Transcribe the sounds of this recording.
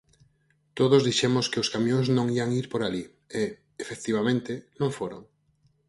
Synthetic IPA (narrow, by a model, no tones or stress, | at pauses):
t̪oð̞ozðiʃemʊskɪʊskamjõŋznõŋiaŋiɾpoɾali | e | efek̚t̪iβamẽnt̪ɪnõŋfoɾo̰ŋ